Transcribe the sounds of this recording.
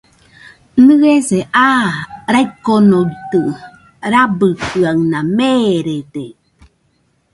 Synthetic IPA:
nɯeseʔaɾaikonojt̪ɯ | ɾabɯkɯaŋnameɾede

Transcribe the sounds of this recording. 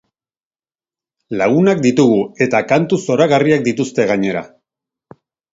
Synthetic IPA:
laɣunakd̪it̪uɣ̞ue̞t̪akant̪uso̞ɾaɣariakd̪it̪ust̪e̞ɣ̞aɲe̞ɾa̰

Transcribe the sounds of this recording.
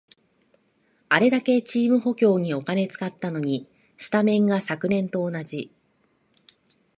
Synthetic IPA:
aɾe̞d̪ake̞t͡ɕiːmɯ̟ɦo̞kʲo̞ːɲ̟io̞kane̞t͡sɨ̥kat̪ːano̞ɲ̟i | ɕi̥t̪amẽ̞ŋɡasakɯ̟nẽ̞nt̪o̞ːnad͡ʑi

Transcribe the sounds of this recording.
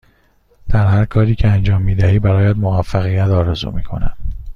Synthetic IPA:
d̪̥æɾɦæɾkʰɒːɾiːcʰeænd͡ʒɒːmːiːd̪æɦiːbæɾɒːjæd̪movæfːæɣijæt̪ʰɒːɾe̞zṵmiːkʰo̞̰næ̰n

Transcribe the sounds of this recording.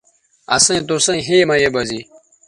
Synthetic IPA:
ɐ̰sẽːt̪osẽɦeːmɐjebɐzi

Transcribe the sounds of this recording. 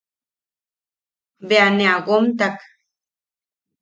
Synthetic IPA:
beaneaɣomt̪ak

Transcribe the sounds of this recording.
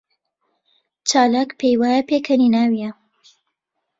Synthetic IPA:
t͡ʃaːlaːkpʰejwaːjapeːkʰəninaːwija

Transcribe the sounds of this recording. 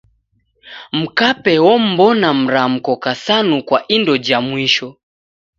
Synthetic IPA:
m̩kapɛwɔm̩bɔnam̩ɾam̩kɔkasanukwaʔindɔd͡ʒamwiʃɔ

